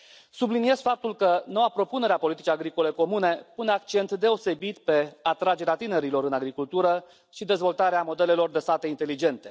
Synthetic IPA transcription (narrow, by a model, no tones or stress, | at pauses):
sublinie̞zfap̚t̪ulkəno̞wapɾo̞pune̞ɾeapo̞lit̪it͡ʃiaɡɾiko̞le̞ko̞mune̞puneakt͡ʃe̞nt̪d̪e̞o̞se̞bit̪pe̞at̪ɾad͡ʒe̞ɾeat̪ine̞ɾilo̞ɾɨnaɡɾikult̪uɾə | ʃid̪e̞zvo̞lt̪aɾeamo̞d̪e̞le̞lo̞rd̪e̞st̪at̪e̞int̪e̞lid͡ʒe̞nt̪e̞